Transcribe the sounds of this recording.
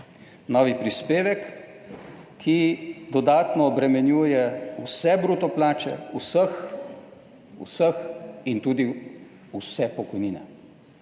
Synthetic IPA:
nɔːʋipɾispeːʋɛk | id̪ɔd̪aːt̪nɔːbɾɛmɛnjuːjɛusɛbɾuːt̪ɔplaːt͡ʃɛ̰usəx | ṵsəxint̪uːd̪i | usɛpɔkɔjniːnɛ̰

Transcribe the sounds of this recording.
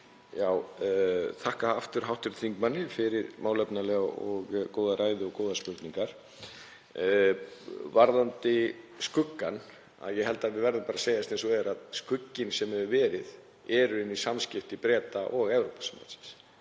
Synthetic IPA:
jaːw | θʰahkaaft̪ʏɾ̥ɦawht̪ʏɾ̥t̪ʰiŋkmanːɪfɪɾɪɾmawlɛpnalɛɣɔɣkoːwðaɾaːjðɪɔɣkoːwðaspʏɾt̪niŋkaɾ̥ | vaɾðant̪ɪskʏkːan | a̰ðjɛɦɛlt̪aðvɪðvɛɾðʏmpaːɾaseːjast̪ensɔɛɾaðskʏcːɪnsɛmhɛvʏvɛːɾɪð | ɛɾʏɪnːisamscɪft̪ɪpɾɛːt̪aʔɔɣɛwɾowpḁsama̰t̪sɪ̥ns

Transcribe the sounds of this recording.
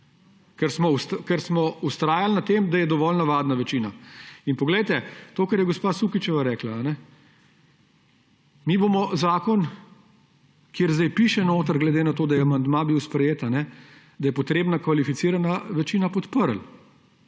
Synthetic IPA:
kɛɾsmɔust̪kɛɾsmɔust̪ɾaːjalnat̪emd̪ajɛd̪ɔʋɔlnɐʋad̪naʋɛt͡ʃiːnainpɔɡlɛjt̪ɛt̪oːkɐɾjɛɡɔspasukit͡ʃɛʋaɾɛːklaːnɛ | miːbomɔzaːkɔn | kjeːɾzd̪ajpiːʃɛnoːt̪əɾɡlɛd̪enat̪oːd̪ajɛamand̪mabiwspɾɛjeːt̪anɛ | d̪ɐjɛpɔt̪ɾeːbnakʋalifit̪siɾanaʋɛt͡ʃiːnapɔt̪pəɾl

